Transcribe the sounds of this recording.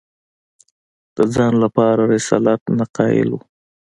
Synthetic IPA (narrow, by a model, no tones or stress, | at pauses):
d̪̥əd͡zɑnlapɑɾaɾɪsɑ̰lat̪naqɑjɪ̰lu